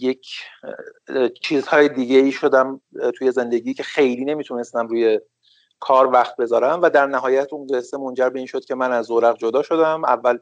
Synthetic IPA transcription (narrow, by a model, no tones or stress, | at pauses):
je̞cʰ | t͡ʃʰiːzhɒːjed̪iːɟeiːʃo̞d̪æmt̪ʰuje̞ze̞nd̪e̞ɟiːcʲʰe̞xe̞jliːne̞mit̪ʰune̞st̪æmɾuːje̞ | kʰɒːɾvæxt̪̚be̞zɒːɾæmvæd̪æɾnæɦɒːjæt̪ʰundesemo̞nd͡ʒæɾbe̞iːnʃo̞d̪̚cʰʲe̞mænæzːoɾæɣd͡ʒod̪ɒːʃo̞d̪æmævːæl